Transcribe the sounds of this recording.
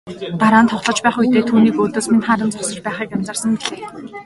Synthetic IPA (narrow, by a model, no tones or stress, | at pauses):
t̪aɾaːnt̪ʰɔχɮɞ̆t͡ɕpæːχujt̪eːt̪ʰuːniːkoːt̪oːsminχaɾə̆nt͡sɔsɞ̆t͡ɕpæːχiːkæmʲt͡sărsə̆ŋpiɮeː